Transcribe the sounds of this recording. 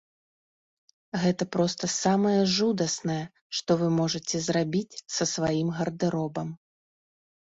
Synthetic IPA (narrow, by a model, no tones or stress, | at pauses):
ɣɛt̪ɐpɾɔst̪ɐsamɐjɛʐud̪ɐsnɐjɛ | ʂt̪ɔvɨmɔʐɐt͡sʲɛzrabʲit͡sʲsɐsvajimɣɐrd̪ɨɾɔbɐm